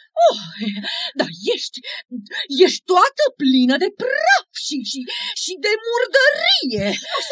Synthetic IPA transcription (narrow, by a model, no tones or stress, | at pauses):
o | d̪ajeʃt̪ʲ | je̞ʃt̪̚ʲt̪uat̪əplinəd̪e̞prafʃiʃiʃid̪e̞murd̪əɾije̞